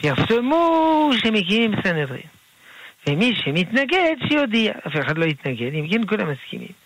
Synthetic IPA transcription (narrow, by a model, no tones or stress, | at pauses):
vjaftomuʃemikimimsanedʁḭm | vemiʃemit̪naɡedʃejod̪iaʔafeχad̪lo̞jit̪naɡed̪imkenkulamaskḭmḭm